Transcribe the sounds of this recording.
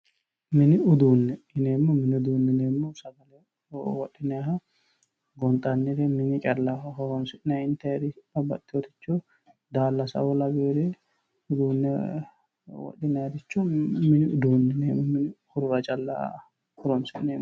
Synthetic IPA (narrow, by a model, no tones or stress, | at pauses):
mɪnɪʊd̪uːnːɛɪneːmːɔmɪnɪʊd̪uːnːɛneːmːɔsɐɡɐlɛ | wɔɗɪnɛɦɐ | ɡɔnt̪ʼɐnːɪɾɛmɪɲɪt͡ʃʼɐlːahɔɾɔmsɪnɛɪnt̪ɐɾɪɐbɐ̰t̪ːɪwɔt̪ɪ̥t͡ʃːɔ | d̪aːlːɐsɐ̰wɔlɐɡeɾɛ | ʊd̪uːnːɛ | wɔ̰ɗːɪnɛɐɾɪt͡ʃːɔmɪnɪʊd̪uːnːɛneːmːɔmɪnɪhʊɾʊɾɐt͡ʃʼɐlːa̰ | hʊɾɔmsɪʔneːm